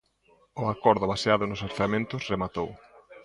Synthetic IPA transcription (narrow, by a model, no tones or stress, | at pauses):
ʊakɔɾðʊβaseaðʊnʊsaɾθamẽnt̪ʊsremat̪ow